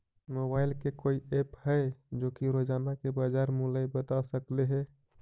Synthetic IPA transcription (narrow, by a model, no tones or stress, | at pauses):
mobailkekoiephəed͡ʒokiɾod͡ʒanakebad͡ʒaɾmulajbət̪asəkleɦɛ